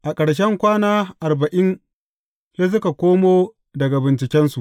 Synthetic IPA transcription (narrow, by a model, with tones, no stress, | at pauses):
ʔa˨kʼɐ˨ɽʃ̬ɛ˦ŋkʷaː˦naː˦ʔa˨rbɐ˨ʔɪ˦n | je˦s̬ʊ˦ka˨kʷoː˦moː˦ | dɐ˨ɡa˨bɪ˨nt͡ʃɪ˨kʲɛ˦nsu˨ʔ